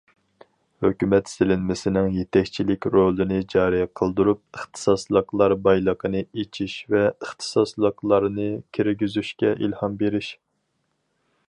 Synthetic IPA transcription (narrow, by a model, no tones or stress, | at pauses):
høkʲymɛt̪sɪlɪnmɪsɪnɪŋjet̪ʰɛkʲt͡ʃʰilɪkʲɾolˠɨnɨd͡ʒɑːɾɨjqʰəlˠd̪uɾup̚ɨχt̪ʰɨ̥sɑslˠəqlˠɑɾbɑjlˠəqʰənɨet͡ʃʰiʃvɛəχt̪ʰɨ̥sɑslˠəqlˠɑɾnɨkʲʰiɾɡʲizyʃkʲɛʔilhɑmbeɾɪʃ